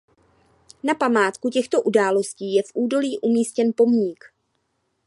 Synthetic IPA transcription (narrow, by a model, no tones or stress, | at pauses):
napamaːt̪kucɛxt̪o̞ʔudaːlo̞sciːjɛfʔuːdo̞liːʔumiːscɛnpo̞mɲiːk